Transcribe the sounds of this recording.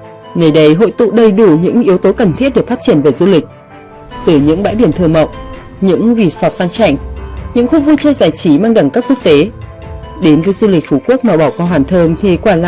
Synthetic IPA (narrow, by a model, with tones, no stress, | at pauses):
nə˨˩jɗə˨˦jɦo̰˧˨jt̪ṵ˧˨ɗə˧˩jɗu˧˩ɲɨ̰˧˥ŋʔi˨˦əwt̪o˨˦kə˨˩nt̪ʰi˦˥ət̚ɗe˧˨˩faː˦˥t̚t͡ɕi˧˩ənve˨˩zu˧lï˨˩k̟̚ | t̪ɨ˨˩ɲɨ̰˧˥ŋɓa̰ː˧˥jɓi˧˩ənt̪ʰɨ˧əmə̰˧˨wŋ͡mʔ | ɲɨ̰˧˥ŋzi˧˩sɔ˨˩t̚saː˧ŋt͡ɕa˧˩˨jŋ̟ɲɨ̰˧˥ŋxu˧vu˧t͡ɕəː˧zaː˧˩jt͡ɕi˨˦maː˧ŋɗə˧˩ŋkaː˦˥kːu˦˥ək̚t̪e˨˦ | ɗe˨˦nvəː˨˦jzu˧lï˨˩k̟̚fu˧˩ku˦˥ək̚maː˨˩ɓa˧˩wkɔ˧ɦwaː˧˩nt̪ʰəː˧mt̪ʰi˨˩kwaː˧˩la̰ː˧˨